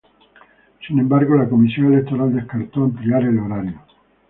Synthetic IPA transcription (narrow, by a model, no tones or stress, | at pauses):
sinembaɾɣolakomisjoŋelek̚t̪o̞ɾald̪eskaɾt̪oent̪ɾiaɾeloɾaɾjo